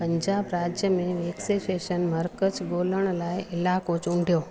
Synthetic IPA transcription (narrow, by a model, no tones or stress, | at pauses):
pɐ̃ɲd͡ʑaːbɾaːd͡ʑjəmẽʋeːkseʃeːʃənməɾkət͡ʃboːləɽ̃laːɪɪlaːkot͡ʃʊɳɖʱijoː